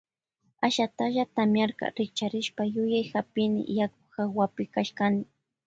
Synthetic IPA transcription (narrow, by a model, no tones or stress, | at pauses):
aʃat̪aʒat̪amjaɾka̰ɾɪk̚t͡ʃaɾɪʃpajʊjajxapɪnɪ̰jakʊ̥xawapɪkaʃkanɪ